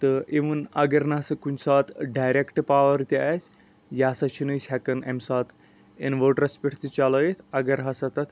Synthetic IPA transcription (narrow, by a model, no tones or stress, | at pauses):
t̪ɨeʋənɐɡɐɾnasɐkunsat̪ɖajɾekʈpaʋɐɾt̪iasʲ | jasat͡ʃʰinəjsʰʲakɐnḛmsat̪ | ḛnʋoʈɾɐspʲiʈʰt̪it͡ʃaləjet̪ʰɐɡɐɾɦɐsat̪ɐt̪ʰ